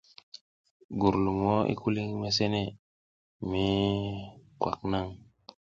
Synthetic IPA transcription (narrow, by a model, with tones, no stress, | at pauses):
ɡu˨ɾlu˨mo˦ḭ˦ku˦li˦ŋme˦s̬e˦ne˦˨ | mi˦ | kwa̰˨k̚na˦˨ŋ